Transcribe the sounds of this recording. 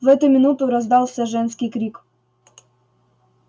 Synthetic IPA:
vɛt̪ɛmʲinut̪ɨɾɔzd̪awɕɛʐɛnskʲikɾʲik

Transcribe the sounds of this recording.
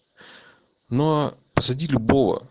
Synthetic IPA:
nopəsɐdʲilʲʊbovə̰

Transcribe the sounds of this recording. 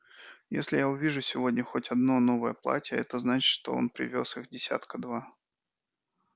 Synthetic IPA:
jesʲlʲɪjaʊvʲiʐʊsʲɪvo̞dʲnʲəxotʲɐd̪no̞no̞vəjəplˠa̰tʲjəɛt̪əznat͡ɕɪ̥t̪ʂt̪o̞̰o̞̰npɾʲɪ̰vʲo̞sɨxdʲɪsʲa̰t̪kəd̪va

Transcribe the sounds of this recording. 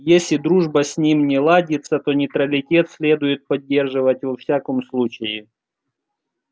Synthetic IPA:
jesʲlʲɪd̪ɾuʐbəsʲnʲimnʲɪlˠadʲɪt̪sət̪onʲɪt̪ɾəlʲɪtʲe̞t̪sʲlʲe̞d̪ʊjɪt̪̚pɐdʲːe̞rʐɨvətʲvɐfsʲakəmslˠut͡ɕɪjɪ

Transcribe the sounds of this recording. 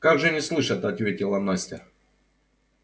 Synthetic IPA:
kaɡʐɨnʲɪslˠɨʂət̪ɐt̪vʲetʲɪlˠɐmnasʲtʲɪ

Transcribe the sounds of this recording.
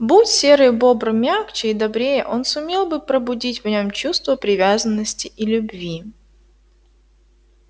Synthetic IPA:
butʲsʲe̞ɾɨjbo̞bɾɨmʲakt͡ɕɪid̪ɐbɾʲejə̰ʔo̞nsʊmʲe̞lˠbɨpɾəbʊdʲitʲvnʲo̞mt͡ɕust̪vəpɾʲɪvʲazənːəsʲtʲɪʔilʲʊbvʲi

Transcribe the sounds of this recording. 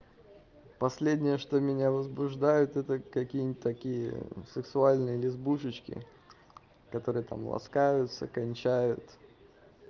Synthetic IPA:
pɐsʲlʲedʲnʲɪjəʂt̪omʲɪnʲavəzbʊʐd̪ajʊt̪ɛt̪əkɐkʲijnʲt̚ʲt̪ːɐkʲijə̰sɨksʊalʲnɨjəlʲɪzbuʂɨt͡ɕkʲɪ̰ | kɐt̪o̞ɾɨjət̪a̰mlˠɐ̰skajʊt̪sə̰kɐnʲt͡ɕæjʊt̪

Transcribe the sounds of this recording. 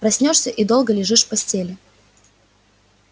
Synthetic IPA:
rɐsʲnʲoʂsʲəʔid̪o̞lˠɡəlʲɪʐɨʂfpɐsʲtʲelʲɪ

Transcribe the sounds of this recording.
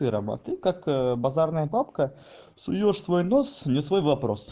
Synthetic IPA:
ɨɾɐ̰mɐ̰t̪ɨkakbɐzarnəjəpapkə | sʊjoʂsvo̞jnosnʲɪsvo̞jvɐpɾo̰s

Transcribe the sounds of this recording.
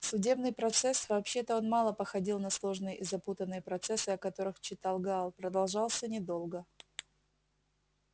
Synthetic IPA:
sʊdʲe̞bnɨjpɾɐt̪sɛsvɐːpɕːe̞t̪əo̞nmɑlˠəpəxɐdʲilˠnɐslˠo̞ʐnɨjəʔɪzɐput̪ənːɨjəpɾɐt̪sɛsɨɐkɐt̪o̞ɾɨxt͡ɕːɪt̪ɑlˠɡlˠpɾəd̪ɐlˠʐɑlˠsʲənʲɪd̪o̞lˠɡə

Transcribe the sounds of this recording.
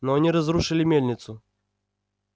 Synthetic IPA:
nɔɐnʲiɾɐzɾuʂɨlʲimʲelʲnʲɪt̪sʊ

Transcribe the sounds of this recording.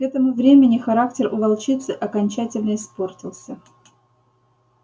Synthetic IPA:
kɛt̪əmʊvɾʲemʲɪnʲɪxɐɾaktʲɪrʊvɐlˠt͡ɕit̪sɨʔɐkɐnʲt͡ɕætʲɪlʲnəɪspo̞rtʲɪlˠsʲə

